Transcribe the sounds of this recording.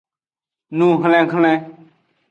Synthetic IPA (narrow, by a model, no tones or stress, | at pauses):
nũːɦəlɛ̃ːkʰəlɛ̃ː